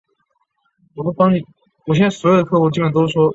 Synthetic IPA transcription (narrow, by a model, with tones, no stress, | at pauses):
wɔ˨˩pu˥˩pɑ˥ŋni˨˩ | wɔ˨˩ɕɛ˥na˥˩swɔ˧˥jo˨˩ə˩kʰɤ˥˧xu˥˩t͡ɕi˥˩ə˨˩nt̪o˥ʊʂwɔ˥